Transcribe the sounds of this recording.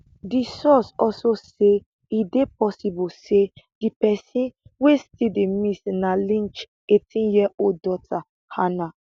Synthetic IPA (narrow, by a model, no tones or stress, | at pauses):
disɔsɔlsose | idep̚ɔsibused̥ipɛsĩnwestidemisnalĩnt͡ʃ | etʰĩjiɛoldɔtʰa | hana